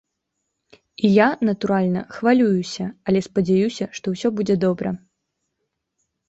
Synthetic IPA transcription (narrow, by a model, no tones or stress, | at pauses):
ijanɐt̪uɾalʲnɐ̰xvalʲujusʲɐɐlʲɛspɐd͡zʲajusʲɐʂt̪ɔwsʲɔbud͡zʲɛd̪ɔbɾɐ